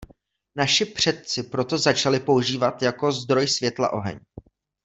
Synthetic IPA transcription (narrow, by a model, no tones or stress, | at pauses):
naʃɪpr̝̥ɛt̪̚t͡sɪpɾo̞t̪o̞zat͡ʃalɪpo̞uʒiːvat̪jako̞zd̪ɾo̞jsvjɛt̪la̰ʔo̞ɦɛ̰ɲ